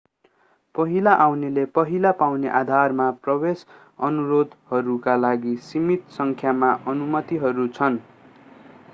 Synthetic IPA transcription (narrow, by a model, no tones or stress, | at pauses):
pʌɦilaʔawnelepʌɦilapawneʔad̪ʱarmaprʌwes | ʌnuɾod̪ʱhʌɾukalaɡisimit̪sʌŋkʰjamaʔʌnumʌt̪iɦʌɾut͡sʰʌn